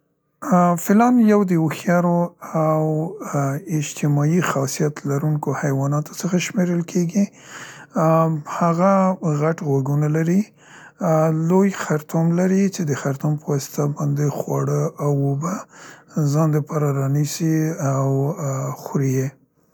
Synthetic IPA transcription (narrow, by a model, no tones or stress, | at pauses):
fɪlɑnjawd̪əoxjɑɾoaw | ɪd͡ʒt̪ʰɪmɑjixɑsijat̪laɾuŋkohajwɑnɑt̪o̥səxaʃmeɾəlkʰeɡi | haɣaɣaʈɣwaɡunalaɾi | lojxaɾt̪umlaɾit͡ʃed̪əxaɾt̪umpəwɑsɪ̥t̪abɑnd̪exwɑɽəʔawoba | zɑnd̪əpɑɾaɾɑnisiawxɾije